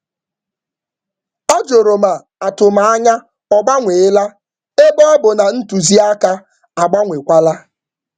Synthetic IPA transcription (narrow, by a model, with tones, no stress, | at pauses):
ɔ˦d͡ʒo˨ɾo˨ma˨ | a˨tʊ˨ma˨a˦ɲa˦ | ɔ˨ɡ͡ba˦ŋʷe˨ɪ˦la˦ | e˦bɔ˦bʊ˨na˨n̩˦tu˨zi˦a˦ka˦ | a˨ɡ͡ba˦ŋʷe˨kʷa˦la˦